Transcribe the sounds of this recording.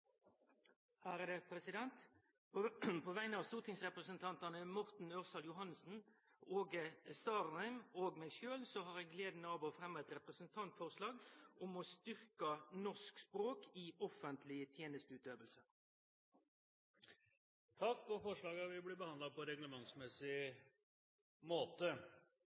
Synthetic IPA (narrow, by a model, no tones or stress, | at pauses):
hæːɾəd̪əpʰɾɛsɪd̪ɛnt̪ | pʰoːʋæɪnəɑʋst̪uːʁt̪ʰɪŋsʁɛpɾəsənt̪ʰɑnt̪ɑnəmɔʁt̪n̩øːʁsɑljʊɦɑnsn̩ | oːɡəst̪ɑːʁnæɪmoːɡmɛːɡʃøːlsɔɦɑʁɛɡleːd̪n̩əɑʋoːfɾɛmːɑɛt̪ɾɛpɾəsən̩t̪ʰɑnt̪fɔʁʂlɑːɡɔmɔst̪ʏɾkənɔʂkspɾoːkʰiɔfənt̪ʰlɪt̪ʰjeːnəst̪ʉːt̪d̪øːʋəlsə | t̪ʰɑkːɔfɔʂɭɑːɡɑʋɪblɪbəhɑnd̪lɑpʰɔɾɛɡləmɑŋsmɛsɪ | moːt̪ə